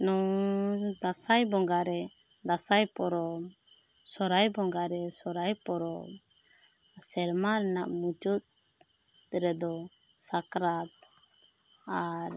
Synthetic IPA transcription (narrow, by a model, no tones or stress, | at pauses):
nɔ | d̪asajbɔŋɡaɾɛ | d̪asajpɔɾɔm | sɔɾajbɔŋɡaɾɛsɔɾajpɔɾɔm | sɛɾmana̰ʔmud͡ʒut̪̚ | ɾɛd̪ɔ | sakɾat̪̚ | aɾ